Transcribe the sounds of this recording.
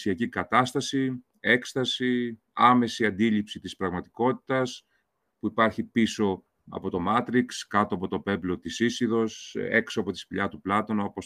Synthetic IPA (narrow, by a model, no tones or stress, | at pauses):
siɐcikɐt̪ɐst̪ɐsi | e̞kst̪ɐsi | ɐme̞siɐnd̪ilipsit̪ispɾɐɣmɐt̪i̥ko̞t̪i̥t̪ɐs | puipɐɾçipiso̞ | ɐ̰po̞t̪o̞mɐt̪ɾikskɐt̪oɐpo̞t̪o̞pe̞blo̞t̪isisiðo̞se̞ksoɐpo̞t̪i̥spiʎɐt̪uplɐt̪o̞nɐopos